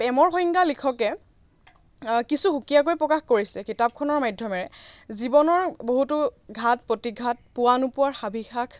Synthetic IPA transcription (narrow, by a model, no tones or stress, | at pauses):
pɛmɔɹxɔjŋɡalikʰɔkɛ | kisuxukijak̬ojpɹɔkaxkoɹisɛkitap̚kʰɔnɔɹmajdʱjɔmɛɹɛzibɔnɔɹboɦutʊɡʱat̚potiɡʱat̚pʊwanupʊwaɹxabʱixakʰ